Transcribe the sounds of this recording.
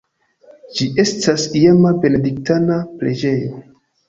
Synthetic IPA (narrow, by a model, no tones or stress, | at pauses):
d͡ʒiʔe̞stasiamabe̞ne̞dik̚tanapɾe̞d͡ʒe̞jo̞